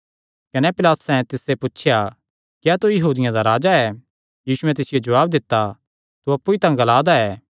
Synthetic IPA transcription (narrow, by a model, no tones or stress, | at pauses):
kɐnepɪlaːt̪ʊsɛ̃t̪ɪseput͡ʃʰɪja | kjaːt̪ujɐɦuːd̪ɪjãd̪aɾaːd͡ʒaɛ | jiːsuɛ̃t̪ɪsɪjod͡ʒɐʋaːb̚d̪ɪt̪ːa | t̪uɐpːuit̪ãɡɐlaːd̪aɛː